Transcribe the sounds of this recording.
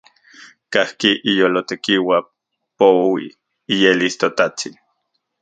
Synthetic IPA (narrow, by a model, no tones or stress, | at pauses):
kahkiʔijolot̪ekiwa | powḭː | jelist̪ot̪at͡sin